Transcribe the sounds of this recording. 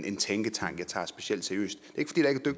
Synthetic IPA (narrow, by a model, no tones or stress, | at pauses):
ʔe̝nt͡sʰeŋɡ̥ət͡sʰɑ̈ŋ̰ɡ̥jɑ̈ɪt͡sʰɑ̰̈ːsb̥e̝siel̰d̥sæɐiø̰ːsd̥d̥e̝e̝ɡ̥fɒd̥ḭːd̥ɑ̈e̝ɡ̥ʰæd̥øɡ̥̚